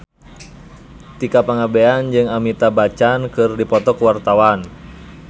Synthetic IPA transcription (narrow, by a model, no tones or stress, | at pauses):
t̪ikapaŋabeand͡ʒɨŋamit̪abat͡ʃankɨrdipɔt̪ɔkuwart̪awan